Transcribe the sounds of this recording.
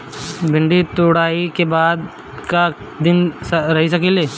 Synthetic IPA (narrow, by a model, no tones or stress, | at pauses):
bʱɪ̃ɳɖit̪oɽaːikebaːd̪ | kaː | ɪnsɐɾɐɦis̬ɐkeːleː